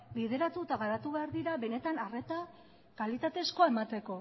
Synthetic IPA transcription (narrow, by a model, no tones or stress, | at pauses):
biðe̞ɾat̪ut̪aɣaɾat̪uβe̞aɾðiɾaβe̞ne̞t̪anare̞t̪a | kalit̪at̪e̞sko̞ae̞mat̪e̞ko̞